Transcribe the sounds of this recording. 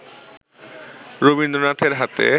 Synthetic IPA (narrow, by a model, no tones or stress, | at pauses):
ɾobind̪ɾonaʈʰeɾɦat̪ḛ